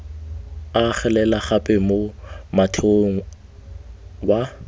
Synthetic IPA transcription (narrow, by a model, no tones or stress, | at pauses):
aχɛlɛlaχapʼɛmomatʰeoŋ̩ | wa